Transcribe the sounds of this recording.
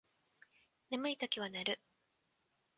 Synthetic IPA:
namɯ̟it̪okʲiβanaɾɯ̟

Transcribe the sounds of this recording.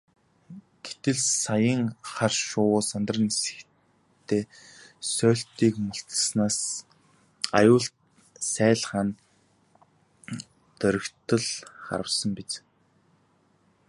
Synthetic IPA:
ɡ̥et̪ɘ̆ɮsajə̆ŋχarʃʊːsant̪ə̆rnisɘ̥̆k | t̪ʰːeː | sœːɬt̪iːkmʊɬt͡səsnaːs | a̰jʊːɬt̪̚ | sæːɮʁaːn | t̪œɾʲɵ̆kt̪ə̆ɮχa̰ɾə̆wsə̆mpit͡s

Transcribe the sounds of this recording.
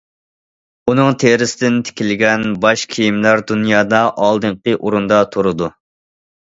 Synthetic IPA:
unɨŋt̪ʰeɾɪsɪd̪ɪnt̪ʰe̥kʲilɪɡʲɛnbɑʃkʲʰijimlæɾd̪unjɑːd̪ɑʔɑlˠd̪ɨɴqəʔoɾund̪ɑt̪ʰoɾɨd̪u

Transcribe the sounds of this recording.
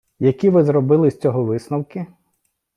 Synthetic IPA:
jɐkʲiʋɪzɾɔbɪlˠɪsʲt͡sʲɔɦɔʋɪsnɐwkɪ

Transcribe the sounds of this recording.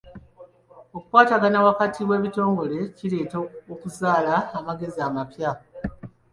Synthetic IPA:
okwaːtaɡanawakatʰiβwe̞ːβito̞ːŋɡo̞le̞cile̞ːtookuzaːlaːmaɡe̞ziamapja

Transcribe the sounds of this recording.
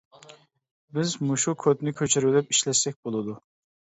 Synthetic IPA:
bɪzmuʃukʰot̪nɪkʲʰøt͡ʃʰyɾylɪpi̥ʃlɛʃsɛk̚ʲbolˠɨd̪u

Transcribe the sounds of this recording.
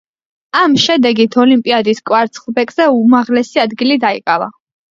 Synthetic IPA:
amʃɛd̪ɛɡit̪ʰɔlimpʼiad̪iskʼwaɾt̪sʰχlˠbɛkʼz̥ɛumaʁlɛsiad̪ɡilid̪aḭkʼa̰va̰

